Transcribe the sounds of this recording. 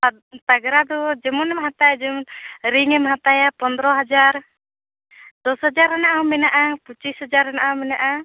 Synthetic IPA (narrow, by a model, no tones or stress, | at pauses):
a | t̪aɡɾad̪ɔd͡ʒɛmɔnɛmɦat̪ajad͡ʒɛmɔnɾiŋɛmɦat̪ajapɔnd̪ɾɔɦad͡ʒaɾ | d̪̥ɔsad͡ʒaɾanaʔaɔmɛnaʔaput͡ʃishad͡ʒaɾanaʔaɔmɛnaʔa